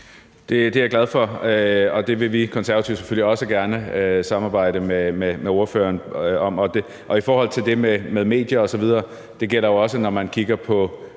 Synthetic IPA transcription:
d̥e̝d̥e̝æɐɡ̥læð̞ˠfɒ̽øɒ̽d̥e̝ʋe̝ʋikʰɒnsæɐɐæt͡sʰiʊ̥se̥føliɒ̽səɡ̥æɐnəøsɑ̈mɑ̈ːb̥ɑ̈ɪ̰ɾ̥əmememeo̝ɐfø̰ːɐːnɒ̽mɒ̽d̥e | ʔɒ̽ifɒːhɒ̽l̰t͡sʰe̝ld̥e̝memeð̞ˠme̝̰ːd̥jɐɒ̽sɒ̽ʋið̞ˠɐː | d̥e̝ɡ̥el̰ɐjoɒ̽sənɒmænkʰiɡ̥ɐpʰɒ̽

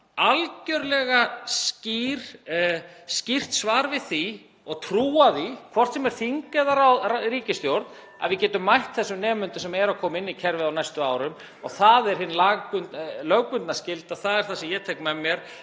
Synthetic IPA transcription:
alcœɾlɛɣasciɾ̥ | scir̥t̪svaːɾvɪðθi | ɔɣt̪ʰɾuːaðikʰvɔr̥t̪sɛmɛɾ̥θiŋkɛðaɾawaɾiːcɪst̪jowɾt̪n | a̰vɪðcɛːt̪ʏmːajht̪θɛsʏnɛːmʏnt̪ʏsɛmɛɾakʰɔːmɪnːicʰɛɾvɪðawnajst̪ʏaːwɾʏm | ɔ̰ɣθaðɛɾ̥hɪnːlaːkʏnlœɣkʏnt̪nascɪlt̪aθaðɛɾ̥θasɪjɛt̪ʰɛkmamjɛɾ̥

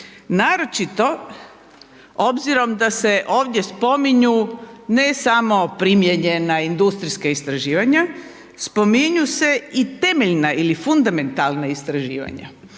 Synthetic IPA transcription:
naːɾo̞t͡ʃit̪o̞ | o̞bziɾo̞md̪ase̞ʔo̞ːʋd̪ʲje̞spo̞miɲune̞samo̞pɾimjeɲe̞naind̪ust̪ɾiskaist̪ɾaʒiːʋaɲa | spo̞miɲuse̞it̪e̞me̞ʎnaʔilifund̪ame̞nt̪alˠnaist̪ɾaʒḭːʋa̰ɲa̰

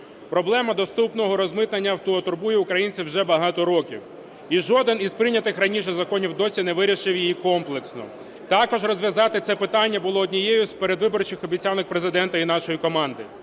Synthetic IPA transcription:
pɾɔblˠɛmɐd̪ɔst̪upnɔɦɔɾɔzmɪt̪nɐnʲːɐwt̪ɔːt̪ʊrbujɛʊkɾɐjinʲt͡sʲiwʒɛbɐɦɑt̪ɔɾɔkʲḭw | iʒɔd̪ɪnizpɾɪnʲɐt̪ɪxɾɐnʲiʃ̬ɛzɐkɔnʲiwd̪ɔsʲinɛʋɪɾʲiʃɪwjijikɔmplˠeksnɔ̰ | t̪ɑkɔʒrɔzʲʋʲjɐzɑt̪ɪt̪sɛpɪt̪ɑnʲːɐbʊlˠɔːd̪ʲnʲijejʊspeɾed̪ʋɪbɔrt͡ʃɪxɔbʲit͡sʲalːɪxpɾezɪd̪ɛnt̪ɐin̪ɑʃɔjikɔmɑnd̪ɪ

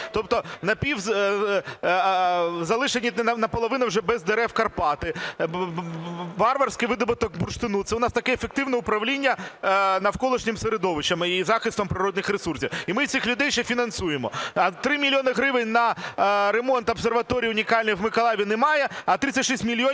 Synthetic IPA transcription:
t̪ɔp̚t̪ɔnɐpʲiwz | zɐlˠɪʃenʲːinɐnɐpɔlˠɔʋɪnɐwʐɛbɛzd̪eɾɛwkɐrpɑt̪ɪ | ʋɑrʋɐrsʲkɪjʋɪd̪ɔbʊt̪ɔkbʊrʃt̪ɪnut̪sɛʊnɑst̪ɐkɛefek̚t̪ɪwnɛʊpɾɐʋlʲinʲːɐnɐwkɔlˠɪʃnʲɪmseɾed̪ɔʋɪt͡ʃɐmizɑxɪst̪ʋɔmpɾɪɾɔd̪nɪxɾesursʲiwimɪsʲɪxlʲʊd̪ɛjʃɛfʲinɐnsujemɔ̰ɐt̪ɾɪmʲilʲijonɪɦɾɪʋɪnʲnɐɾemɔnt̪ɔbserʋɐt̪ɔɾʲijʊnʲikɑlʲnijwmɪkɐlˠɑʋʲinɛmɑjɛɐt̪ɾɪt̪ʲɐtʲʂisʲt̪ʲmʲilʲiɔ

